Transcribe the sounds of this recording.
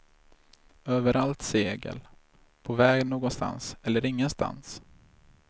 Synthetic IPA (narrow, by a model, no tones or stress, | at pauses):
øːvəɾʔalt̪seːɡə̰l | pʰɔvɛːɡnoːɡɔnst̪a̰nsɛlːəɾɪŋːənst̪ʰa̰ns